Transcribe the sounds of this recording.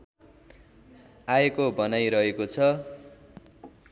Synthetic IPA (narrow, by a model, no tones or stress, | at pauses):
aekobʌnajɾʌɦekot͡sʰʌ